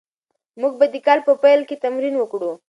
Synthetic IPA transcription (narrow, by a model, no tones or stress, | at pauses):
muɡ̚bad̪ikɑlpəpajlket̪amɾinwəkɽu